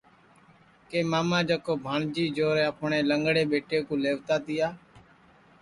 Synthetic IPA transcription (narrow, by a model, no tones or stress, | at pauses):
keːmaːmãːd͡ʒəkoːbʱaːɳd͡ʒiːd͡ʒoːɾeːəpɳeːləŋɡɽeːɓeːʈeːkũːleːʋt̪aːt̪ijaː